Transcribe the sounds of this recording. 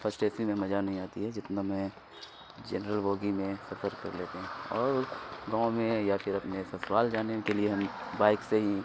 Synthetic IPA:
pɐsʈeːsimẽmɐd͡ʒanɐɦĩaːt̪iɦɛd͡ʒɪt̪namɛ̃ | d͡ʒɛ̰nɾəlboːɡimẽsɐfəɾkɐ̰ɾleːt̪eɦɛ̃ɔːɾɡãːõmẽjapʰɪɾɐpnesesʋaːld͡ʒaːnekelieɦɐmbaːɪkseɦi

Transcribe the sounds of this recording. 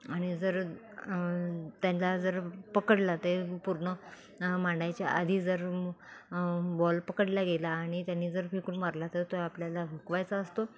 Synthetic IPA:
aɽ̃id͡zəɾ | t̪jãnlad͡zəɾpəkəɽlat̪epuɾɳə | mãɳɖajt͡ɕjaʔad̪ʱiːd͡zəɾ | bɔlpəkəɽlaɡelaːɽ̃it̪janːiːd͡zəɾfikuɳmaɾlat̪ət̪oapljalaʋʱukʋajt͡saəst̪o

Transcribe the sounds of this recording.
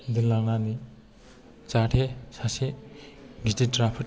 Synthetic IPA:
d̪ilaŋnani | t͡ʃaʈʰesase | ɡititɾapʰi

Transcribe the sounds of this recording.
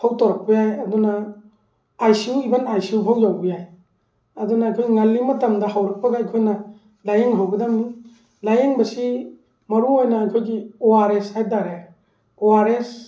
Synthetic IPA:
hawtoɾak̚pɐjajɐduna | ajsiwibanajsiupʰawd͡ʒawbɐjaj | ɐdunaːjkʰojiŋalːimɐtamdɐɦawɾɐk̚pɐɡaajkʰojnɐ | lajeŋɦawbɐdamni | lajeŋbɐsi | mɐɾuojnaːjkʰojɡioaɾeshajtaɾe | oaɾes

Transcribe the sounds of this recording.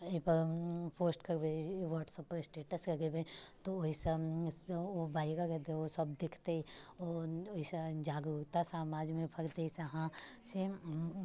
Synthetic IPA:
epɐɾpʰoːsʈkɐɾbeʋɔːʈsəpɾsʈeːʈəsɾɐɡebẽt̪ooise | obaːiɾaɾɛt̪eosɐbd̪ekʰt̪eiooised͡ʒaːɡɾuɾt̪asamaːd͡ʒmẽpʰɐɾt̪eisaɦãse

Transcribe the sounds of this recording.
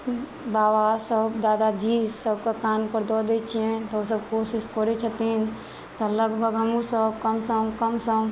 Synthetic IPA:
bawasəbd̪ad̪ad͡ʒisəbkekanpəɾd̪ɔd̪ɛt͡ʃʰiɛ̃t̪ɔos̬əb̚kosiskɔɾɛt͡ʃʰət̪in | t̪ɔləɡbʱəɡɦəmũsəb̚kəmsəmkəmsəm

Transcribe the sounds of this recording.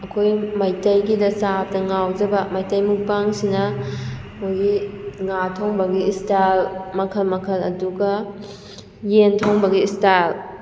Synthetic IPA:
ɐkʰojmajtɐjɡidɐsap̚tɐŋawd͡ʒɐbɐmajtɐjmuk̚paŋsinɐ | mojɡiŋatʰoŋbɐɡiːstalmɐkʰɐlmɐkʰɐlɐ̰duɡɐ | jentʰoŋbɐɡiːstal

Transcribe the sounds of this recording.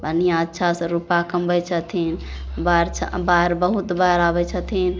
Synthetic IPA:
bənijãətːʃʰasə̃ɾupakəmbəjt͡ʃʰət̪ʰinbaɾt͡ʃʰbaɾbəɦut̪baɾabɛt͡ʃʰət̪ʰin

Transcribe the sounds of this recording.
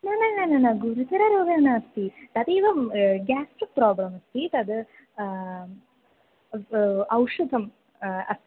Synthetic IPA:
nɐnɐnɐnɐnɐɡuɾut̪ɐɾɐɾoːʋjɐːnaːst̪it̪ɐt̪iːʋɐmɡaːsʈik̚pɾaːblɐmɐst̪it̪ɐd̪ɨ | ɐwʂud̪ʱɐm | ɐ̰st̪i

